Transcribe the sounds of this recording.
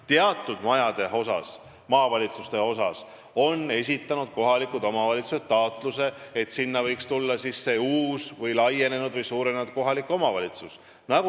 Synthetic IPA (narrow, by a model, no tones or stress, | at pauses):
t̪eɑt̪ːˑud̪̥mɑjɑd̪̥eho̞sɑ̰s | mɑːvɑlʲit̪sust̪e̞o̞sɑ̰s | o̞nːe̞s̬ʲit̪ːˑɑnud̪̥̚ko̞ɦɑlikud̪̥o̞mɑvɑlʲit̪suset̪ːɑːt̪ˑluse̞et̪sinːɑvɤjkst̪ulːɑsisːe̞uːsvɤjlɑje̞ne̞nud̪̥vɤjsuːɾenenud̪̥̚ko̞ɦɑlikːˑo̞mɑvɑlʲit̪sus | nɑku